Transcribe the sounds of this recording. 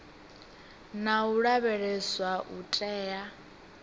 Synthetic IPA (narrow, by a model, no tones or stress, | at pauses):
nauɺaβɛɺɛswaʔutʼɛːja